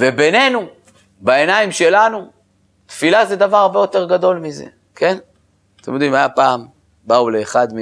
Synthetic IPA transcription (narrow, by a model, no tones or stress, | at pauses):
ve̞be̞ne̞nu | bae̞naimʃe̞lanu | t̪filazed̪avaʁaʁbe̞jo̞t̪e̞ʁɡad̪o̞lmizḛ | kʰe̞n | t̪emjo̞d̪imajapaːm | baule̞ːχad̪mi